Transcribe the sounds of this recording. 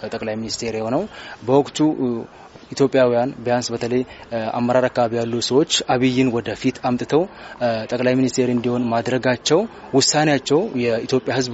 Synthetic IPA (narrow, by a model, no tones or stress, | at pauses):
t̪ʼəkʼlajminist̪ʰe̞ɾjɛho̞nəwbəwɔkʼt̪ʰu | it̪ʰjo̞pʼjawijanbəjansbət̪ʰələja̰mːəɾaɾakːaβaβijalːusəwo̞t͡ʃːaβijːɪnwɔd̪əfit̪ʰamt̪ʼɨt̪ʰəwt̪ʼəkʼlajminist̪ʰe̞ɾɨnd̪iho̞nmad̪ɾəɡat͡ʃːɛw | wʊsːanejat͡ʃːɛwjɛit̪ʰjo̞pʼjahɨzb